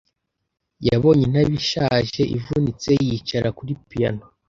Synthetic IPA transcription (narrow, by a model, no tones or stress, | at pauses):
jaβo̞ɲen̥aβiʃaʒe̞ʔivunit͡se̞jit͡ʃaɾakuɾipija̰no